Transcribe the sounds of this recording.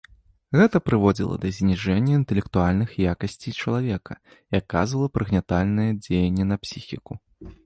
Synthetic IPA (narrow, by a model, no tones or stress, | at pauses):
ɣɛt̪ɐpɾɨvɔd͡zʲḭlˠɐ̰d̪ɐzʲnʲiʐɛnʲːɐint̪ɛlʲɛkt̪ualʲnɨxjakɐsʲt͡sʲit͡ʂɐlˠavʲɛkʰɐ̰ | iakːa̰zvɐlˠɐpɾɨɣnʲat̪alʲnɨjɐd͡zʲejɛnʲːɛnɐpsʲixʲiku